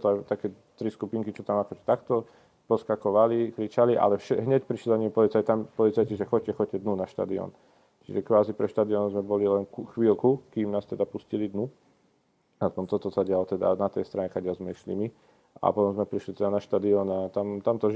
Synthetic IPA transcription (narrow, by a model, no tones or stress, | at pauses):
t̪ɔajt̪akɛː | t̪ɾiskupiŋkit͡ʃɔt̪amakɔʒɛ̥t̪akt̪ɔ | pɔskakɔʋalikɾit͡ʃaliʔa̰lɛfʃɛɦɲɛcpɾiʃlizaɲimpɔlit͡sajt̪ampɔlit͡sajciʒɛxɔcːɛxɔɛd̪nunaʃt̪a̰ːd̪iɔ̰n | t͡ʃḭʒɛkʋaːzipɾɛʃt̪aːd̪iɔnɔzmɛbɔlilɛnkuxʋiːlkukiːmnaːst̪ɛd̪apuscilid̪nu | naspɔmt̪ɔt̪ɔsaɟɪalɔt̪ɛd̪a̰nat̪ɛjst̪ɾaɲɛxaɟɛlzmɛiʃlḭmi | a̰pɔt̪ɔmzmɛpɾiʃlit̪ɛd̪anaʃt̪aːd̪iɔnat̪amt̪amt̪ɔ